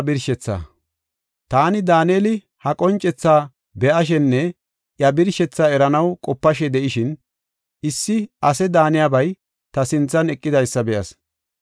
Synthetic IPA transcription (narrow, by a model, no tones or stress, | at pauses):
bɪɾʃɛt͡sːa̰ | t̪aːnɪd̪aːneːlɪ | hɐkʼɔnt͡ʃʼːɛt͡sːaː | bɛʔɐʃ̬ɛnːɛ | ʔjɐbɪɾʃɛt͡sːaːɛɾɐnɐwkʼɔpːɐʃɛd̪ɛʔɪʃɪn | ʔɪsːɪʔɐsɛd̪aːnɪjaːbɐj | t̪ɐsɪnt͡sːɐnɛkʼːɪd̪ɐjsːɐbɛʔɐs